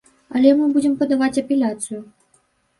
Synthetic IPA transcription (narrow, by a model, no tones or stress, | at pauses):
ɐlʲɛmɨbud͡zʲɛmpɐd̪avat͡sʲɐpʲɛlʲat̪sɨju